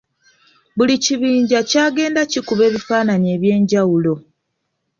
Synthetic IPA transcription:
βuliciβiːɲɟacaːɡe̞ːndacikuβe̞ːβifaːnaɲe̞ːβje̞ːɲɟawulo̞

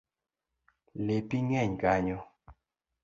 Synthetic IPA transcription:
lepiŋɛɲkaɲɔ

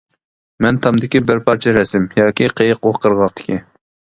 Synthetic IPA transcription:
mɛnt̪ʰɑmd̪ɪkʲibɪɾpʰɑɾt͡ʃʰɛɾɛsɪmjɑːkʲiqʰejəqoχqʰəɾʁɑq̚t̪ʰɪ̥kʲi

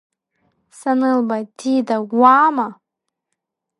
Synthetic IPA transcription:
sanɨlˠbat̪ʰiːd̪awaːma

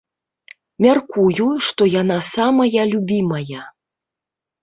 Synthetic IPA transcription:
mʲarkujuʂt̪ɔjanasamɐjɐlʲubʲimɐjɐ

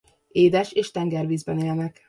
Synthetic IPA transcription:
eːd̪ɛʃeːʃt̪ɛŋɡɛrviːzbɛneːlnɛk

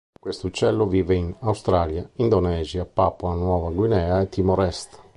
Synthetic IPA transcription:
kwest̪ut͡ʃɛlːoviːveinawst̪ɾaːljaind̪onɛːziapaːpoanwɔːvaɡwinɛːaet̪ːimoɾɛst̪

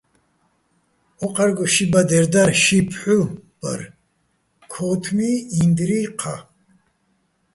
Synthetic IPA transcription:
ɔqʼaɾɡɔʃibad̪ɛɾd̪aɾʃipʰħub̥a̰ɾ | kʰɔt̪ʰmiind̪ɾiqʰa

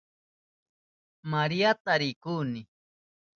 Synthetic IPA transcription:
maɾijat̪aɾɪkuːnɪ

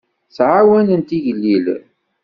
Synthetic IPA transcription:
θʕawænənt̪iʝlːil

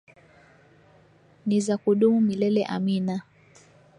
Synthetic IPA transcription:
nizakuɗumumilɛlɛʔa̰mina

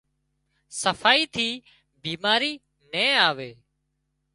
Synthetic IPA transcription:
səfʰaːiːt̪ʰiː | biːmaːɾiː | nẽːaːʋeː

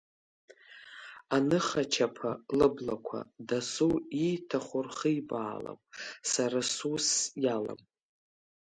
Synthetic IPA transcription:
anɨχat͡ʃʰapʰalɨblakʷʰa̰dasuitʰaχʷʊrχəjbaːla̰mʼsaɾasusjala̰m

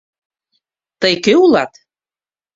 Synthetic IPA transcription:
t̪əjkøulɑt̪

